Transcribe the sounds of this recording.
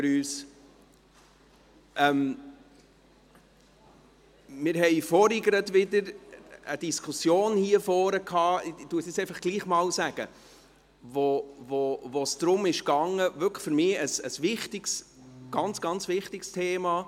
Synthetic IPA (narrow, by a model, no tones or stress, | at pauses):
fɾyːs | ʔɛm | mɪːɾhɛɪfɔɾiɡəɾətʋɪdəɾəd̥̪iskʰusjoːnhiəfɔːɾəkʰhɑːɪtuəsisɛɪfɑχɡ̥liːχmɑːlsæɡ̥ə | vovovosd̥ɾʊmɪʃɡɑŋːəvʏkfʏɾmɪːəsəsvɪχtɪɡsɡ̥ɑnt͡sɡ̥ɑnt͡svɪχtɪkstʰeːmɑː